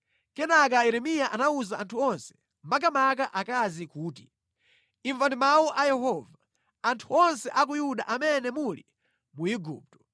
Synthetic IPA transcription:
kɛnak̬ajɛɾɛmijaʔanauzaʔantʰuɔnsɛ̥ | mak̬amakaʔakazikuːti | iɱvandimawuʔajɛɦɔva | antʰuɔnsɛʔak̬ujuɗaʔamɛnɛmulḭ | muiɡṵːp̚tɔ̥

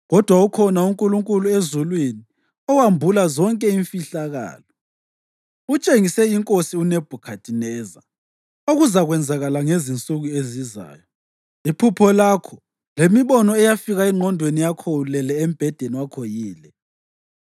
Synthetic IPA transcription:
ɣɔd̥ʱwaukʰɔnauŋkʼuluŋkʼuluezulwini | ɔwambʱulazɔŋkʼɛiɱfiɬaɣa̰ːlɔ | ut͡ʃʼeŋisɛiŋkʼosiuneb̥ʱukʰatʰʼinɛːza̰ | oɣuzaɣwɛnd͡zʱaɣalaŋezint͡sʼuɣueziza̰ːjɔ | ipʰupʰɔlakʰɔ | lemiβɔnɔɛjafiɣaiŋ͡ǃʱɔndʱwenijakʰɔulɛlɛem̩b̥ʱɛd̥ʱeniwakʰojiːlɛ

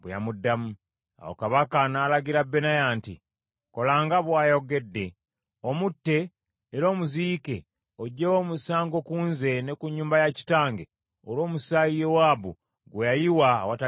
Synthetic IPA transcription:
βwja̰mudːamu | a̰wo̰kaβakanaːlaɡiɾabːe̞najaːntḭ | ko̞laːŋɡaβwaːjo̞ɡe̞dːe̞ | omutːe̞ː | ɾo̞ːmuziːke̞ | oɟːewo̞ːmusaːŋɡo̞kuːnze̞ne̞kuɲːuːmbajaci̥taːŋɡe | olo̞ːmusaijewaːβu | ɡwejajiwa̰ːwata

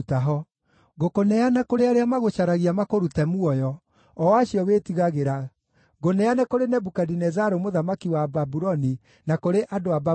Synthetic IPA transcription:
taɦɔ | ɣokonɛanakoɾeaɾeamaɣoɕaɾaɣiamakoɾutɛmuɔjɔː | aɕiɔwetiɣaɣeɾa | ɣonɛanɛkoɾenɛbukadinɛzaɾomoðamakiwababuɾɔni | nakoɾeʔadoaba

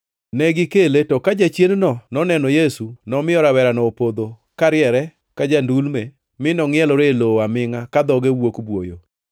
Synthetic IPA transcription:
nɛɡɪkeletɔkad͡ʒat͡ʃjennɔnɔnɛnɔjesunɔmɪjɔɾawɛɾanɔopod̪o | kaɾɪɛɾɛ | kad͡ʒandulme | mɪnɔŋɪɛlɔɾeloamɪŋakad̪ɔɡewokbwojo̰

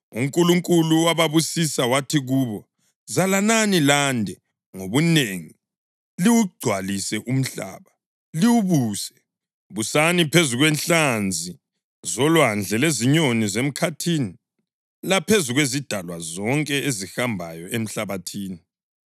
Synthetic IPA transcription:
uŋkʼuluŋkʼuluwaβaβusisawatʰiɣuːβɔ | zalananilandʱɛ | ŋoβuneŋi | liwuɡ͡ǀʱwalisɛʔum̩ɬa̰ːβa | liwuβuːsɛ | βusanipʰezuɣwɛnɬand͡zʱi | zɔlwand͡ɮʱɛleziɲonizem̩kʰatʰiːni | lapʰezuɣwezid̥ʱalwazɔŋkʼɛezihambʱajɔʔem̩ɬaβatʰiːni

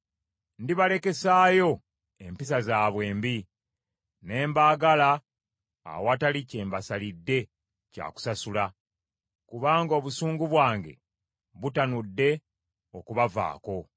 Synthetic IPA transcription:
ndiβale̞ke̞saːjo̞ | e̞mpisazaːβwe̞ːmbi | ne̞ːmbaːɡala̰ː | watalice̞ːmbasalidːe̞ | ca̰ːku̥sasula | kuβaːŋɡo̞ːβusuːŋɡuβwaːŋɡe̞̰ | βutanudːe̞ | o̞kuβava̰ːko̞

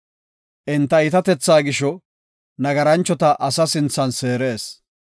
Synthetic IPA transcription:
ʔɪnt̪ːɐɪt̪ɐt̪ɛt͡sːaːɡɪʃɔ | nɐɡɐɾɐnt͡ʃːɔt̪ɐʔɐsɐsɪnt͡sːɐnse̞ːɾe̞ːs

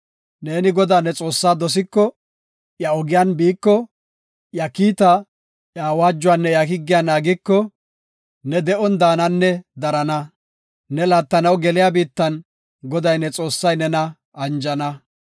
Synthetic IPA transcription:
ne̞ːnɪɡɔd̪aːnɛt͡sʼo̞ːsːaːd̪ɔs̬ɪkːɔ | jɐɔɡɪjaːnbiːkːɔ | jɐkiːt̪ɐ | jaːwaːd͡ʒːʊwaːnːɛjɐkɪɡːɪjanaːɡɪkːɔ | nɛd̪ɛʔɔnd̪aːnɐnːɛd̪ɐɾɐnɐ | nɛlaːt̪ːɐnɐwɡɛlɪjabiːt̪ːɐn | ɡɔd̪ɐjnɛt͡sʼo̞ːsːɐjnɛnɐ | ɐnd͡ʒɐnɐ

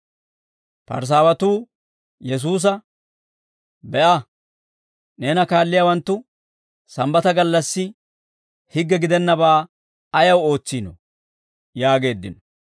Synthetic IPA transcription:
pɐ̰ɾs̬aːwɐt̪uː | jɛs̬uːs̬ɐ | bɛʔɐ | ne̞ːnɐkaːlːɪjaːwɐnt̪ːʊ | sɐmbɐt̪ɐɡɐlːɐsːɪ | hɪɡːɛɡɪd̪ɛnːɐbaː | ɐjɐwo̞ːt͡sːiːnɔ̰ | jaːɡe̞ːd̪ːɪnɔ

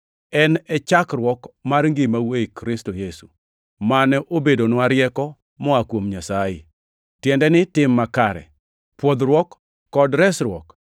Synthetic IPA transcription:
ɛnɛt͡ʃakrwɔkmarŋɡɪmawekɾɪstojesu | manɛʔobedonwaɾjɛkɔ | mɔakwomɲasajɪ̰ | tjɛndɛnɪtɪmːakaɾɛ̰ | pwɔd̪ɾwɔkː | ɔdɾɛsɾwɔ̰k

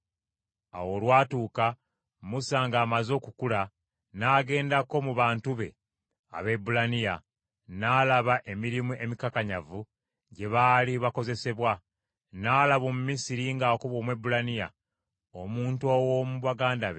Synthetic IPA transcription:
a̰wo̞lwaːtuːka | musaːŋɡaːmazo̞ːkukula | naːɡe̞ːndako̞muβaːntuβe̞̰ | a̰βe̞bulanija | nalaβaʔe̞miɾimuʔe̞mikakaɲavu | ɟe̞βaliβako̞ze̞se̞βwa | naːlaβo̞mumisiɾiŋɡakuβo̞ːmwe̞bulanija̰ | omuːntuowomuβaɡaːndaβḛ

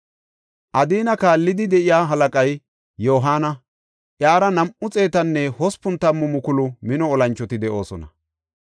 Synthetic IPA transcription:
ʔɐd̪iːnɐkaːlːɪd̪ɪd̪ɛʔɪjaːɦɐlɐkʼɐj | jo̞ːɦaːnɐ | ʔjaːɾɐnɐmʔʊt͡sʼe̞ːt̪ɐnːɛhɔspʊnt̪ːɐmːʊmʊkʊlʊmɪnɔːlɐnt͡ʃːɔt̪ɪd̪ɛʔo̞ːsɔnɐ̰

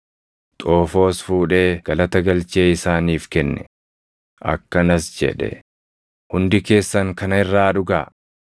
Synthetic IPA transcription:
t̪ʼoːfo̞ːsfuːᶑe̞ːɡ̥ɐlɐt̪ɐɡɐlt͡ʃeːɪsaːniːfkɛnːɛ | ʔɐ̰kːɐnɐsd͡ʒɛ̰ᶑɛ̰ | hʊnd̪ɪke̞ːsːɐŋkɐnɐɪrːaːᶑʊɡaː

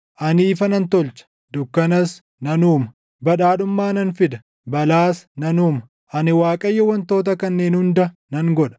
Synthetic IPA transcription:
ʔɐniːfɐnɐnt̪ɔlt͡ʃɐ̥ | d̪ʊkːɐnɐs | nɐnuːmɐ | bɐᶑaːɗʊmːaːnɐnfɪd̪ɐ | bɐlaːsnɐnuːmɐ | ʔɐnɪwaːkʼɐjːɛwɐnt̪o̞ːt̪̬ɐkɐnːe̞ːnhʊnd̪ɐ | nɐŋɡɔᶑɐ̥

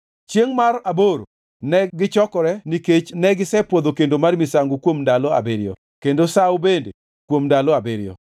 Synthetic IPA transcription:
t͡ʃjeŋmaraboɾo | nɛɡɪt͡ʃɔkɔɾɛniket͡ʃnɛɡɪsɛpod̪okendomarmisaŋɡokwomndalɔa̰beɾɪjɔ̰ | kendosawbende | kwomndalɔabeɾɪjɔ̰

